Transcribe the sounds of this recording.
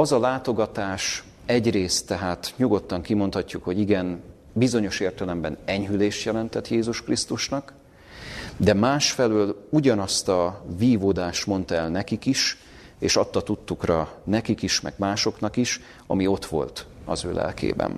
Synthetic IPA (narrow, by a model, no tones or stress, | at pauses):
ɒzɒlaːt̪o̞ɡɒt̪aːʃ | ɛɟreːst̪ːɛɦaːt̪ɲuɡo̞t̪ːɒŋkimo̞nt̪hɒcːukho̞ɟiɡɛn | bizo̞ɲo̞ʃeːrt̪ɛlɛmbɛnɛɲɦyleːʃt̪jɛlɛnt̪ɛt̪jeːzuʃkrist̪uʃnɒk | d̪ɛmaːʃfɛløːluɟɒnɒst̪ɒviːvoːd̪aːʃt̪mo̞nt̪ɛlnɛkikiʃ | eːʃɒt̪ːɒt̪ut̪ːukrɒnɛkikiʃmɛ̰ɡ̥maːʃo̞knɒkiʃ | ɒ̰mio̞t̪ʋo̞̰lt̪ɒ̰zøːlɛ̰lkḛːbɛ̰n